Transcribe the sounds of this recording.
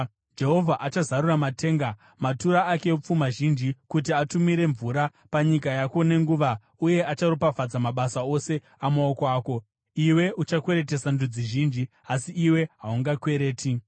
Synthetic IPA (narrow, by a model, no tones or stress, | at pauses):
d͡ʒe̞ɦo̞vʱaʔat͡ʃazaɾuramate̞ːŋɡa | matuɾaake̞op͡fumaʒind͡ʒikut̬iatumiɾe̞ɱvuːɾa | paɲikajakone̞ŋɡuːʋa | uje̞ʔat͡ʃaropafad͡zamaɓasao̞se̞ | amaokoaːko̞ | iwe̞ʔut͡ʃakwe̞ɾe̞t̬e̞sandud͡ziʒiːnd͡ʒi | asiiwe̞ɦauŋɡakwe̞ɾe̞ːtʰi